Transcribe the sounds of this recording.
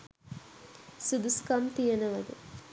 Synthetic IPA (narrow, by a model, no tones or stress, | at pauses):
sud̪uskɐmt̪ijɐnɐʋɐd̪u